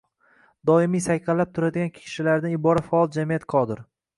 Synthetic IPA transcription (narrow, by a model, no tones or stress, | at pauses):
d̪ɒɪmijsajkʰalːap̚t̪ʰʊɾad̪ɪɡʲankʲʰʃɪlaɾnɪɪbɒɾat̪faɒlˠd͡ʒamijat̪qʰɒd̪ɪɾ